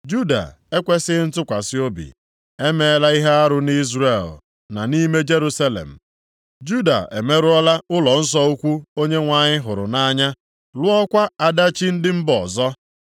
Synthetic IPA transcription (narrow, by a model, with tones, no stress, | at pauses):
d͡ʒu˦da̰˨ | e˦kʷe˦sɪ˦n̩˦tʊ˦kʷa˨sɪ˦o˦bḭ˨ | e˦me˦˨˦la˦i˦ɦe˦a˦ɾʊ˦ni˦zre˦˨l | na˨ni˦me˦d͡ʒe˦ɾu˦sa˦lḛ˨m̩˨ | d͡ʒu˦da̰˨ḛ˨me˦ɾʊ˦ɔ˦la˦ʊ˦lɔ˨n̩˦s̬ɔ˦u˦kʷu˦o˦ɲe˦ŋʷa˨ɲɪ˦ɦʊ˨ɾʊ̰˨na˦ɲa˦ | lʊ˦ɔ˦kʷa˦a˨da˦t͡ʃi˦n̩˦dɪ˦m̩˦bɔ˨zɔ˦